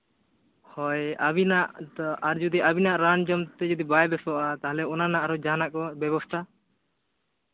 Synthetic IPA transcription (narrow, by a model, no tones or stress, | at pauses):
hɔjabinaʔd̪ɔʔaɾd͡ʒud̪iʔabinaʔɾand͡ʒɔmt̪ɛd͡ʒɔd̪ibajbɛsɔʔat̪aɦlɛɔnanaʔaɾɔd͡ʒanaʔkɔbɛbɔst̪ʰa